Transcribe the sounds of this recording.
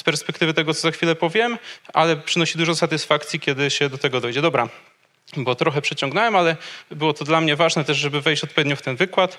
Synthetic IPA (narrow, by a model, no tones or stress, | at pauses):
spɛɾspɛkt̪ɘvɘt̪ɛɡɔt̪sɔzaxfʲilɛpɔvʲjɛmalɛpʂɘnɔɕid̪uʐɔsat̪ɘsfakt̪sʲjikʲɛd̪ɘɕɛd̪ɔt̪ɛɡɔd̪ɔjd͡ʑɛd̪ɔbɾa | bɔt̪ɾɔxɛpʂɛt͡ɕɔ̃ŋɡnawɛmalɛbɘwɔt̪ɔd̪lamɲɛvaʐnɛt̪ɛʐʐɛbɘvɛjɕt͡ɕɔt̪̚pɔvʲed̪ɲɔft̪ɛnvɘkwat̪